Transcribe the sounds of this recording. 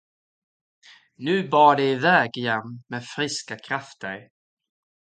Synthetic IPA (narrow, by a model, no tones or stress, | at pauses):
nʉ̟ːbɑːɖɛɪvɛːɡjɛnːmeːfɾɪskakʰɾaft̪ə̰ɾ